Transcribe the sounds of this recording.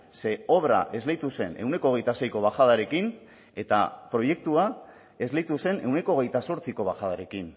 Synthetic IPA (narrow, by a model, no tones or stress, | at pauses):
se̞o̞βɾa̰ʔe̞zlejt̪use̞ne̞̰wne̞koːɣejt̪ase̞jko̞β̞axað̞aɾe̞kin | e̞t̪a̰pɾo̞je̞k̚t̪ua | e̞zlejt̪use̞ne̞wne̞ko̞ːɣ̞e̞jt̪aso̞ɾt͡siko̞βaxað̞aɾe̞kin